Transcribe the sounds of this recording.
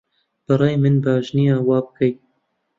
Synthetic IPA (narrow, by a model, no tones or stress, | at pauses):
b̥ɨɾɑːjmɨnbɑːʒnijɑːwɑːbɨkɛj